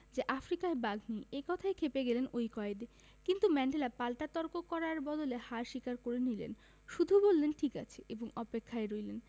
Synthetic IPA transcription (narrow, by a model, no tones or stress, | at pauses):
d͡ʑeʔafɾikaebaɡʱniekɔt̪ʰaekʰepeɡelenojkɔed̪e | kint̪umɛɳɖelapalʈat̪ɔɾkokɔɾaɾbɔd̪olehaɾʃikaɾkoɾenilḛn | ʃud̪ʱubolːenʈʰika̰t͡ɕʰeʔeboŋɔpekʰːaeɾojlen